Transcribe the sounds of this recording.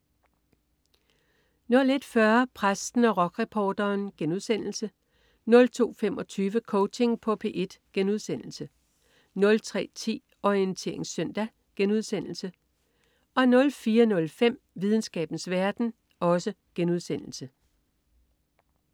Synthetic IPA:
nɔ̽le̝d̥fɶɐpʰʁasd̥n̩ɒ̽ʁɒ̽ɡ̥ʁɛpʰɒːd̥ɐːnɡ̥enuðˠsen̰l̩sə | nɔ̽lt͡sʰo̝̰ːfemɒ̽t͡sʰyːʋəkʰɔʊt͡sʰe̝ŋpʰɒ̽pʰe̝ːʔe̝d̥ɡ̥enuðˠsen̰l̩sə | nɔ̽lt͡sʰʁɛ̰ːt͡sʰḭː | ɒiənt͡sʰe̝̰ɐe̝ŋsœn̰d̥æ | ɡ̥enuð̞̰ˠsen̰l̩sə | ɒ̽nɔ̽lfiːɐnɔ̽lfem̰ | ʋiðˠn̩sɡ̥ɛ̰ːb̥n̩sʋæɐd̥n̩ | ɒ̽sə | ɡ̥enuð̞̰ˠsen̰l̩sə

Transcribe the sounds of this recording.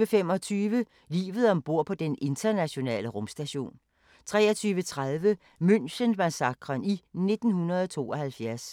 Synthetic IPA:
əfem̰ɒ̽t͡sʰyːʋə | lḭːʋð̞̩ˠɒ̽mb̥o̝ɐ̰pʰɒ̽d̥enʔe̝nd̥ɐnæɕo̝nɛ̰ːləʁɔ̽msd̥æɕo̝̰ːn | t͡sʰʁɛ̰ːɒt͡sʰyːʋət͡sʰʁað̞ˠʋə | møn̰ɕənmænsɑ̈ɡ̥ʁɐnine̝d̥n̩hunɐð̞̩ˠɒt͡sʰo̝̰ːɒ̽hælfjæɐs

